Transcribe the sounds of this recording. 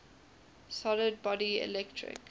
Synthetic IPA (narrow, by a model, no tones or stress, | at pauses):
sɔləd̚bɔɖiɛ̰lɛk̚ʈʰɹɪ̰k